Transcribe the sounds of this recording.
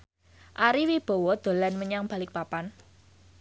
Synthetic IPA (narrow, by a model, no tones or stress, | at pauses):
ʔaɾiwib̥o̤wɔd̪̥o̤lanməɲaŋb̥a̤lɪk̚papan